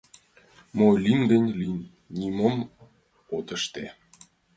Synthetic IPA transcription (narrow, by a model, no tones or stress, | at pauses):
molind̪ənʲlinʲː | iməm | ot̪ə̆ʃt̪e